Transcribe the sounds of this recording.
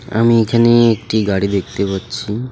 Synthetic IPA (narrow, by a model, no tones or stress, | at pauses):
a̰miekʰaneek̚ʈiɡaɽid̪ek̚t̪epatːt͡ɕʰi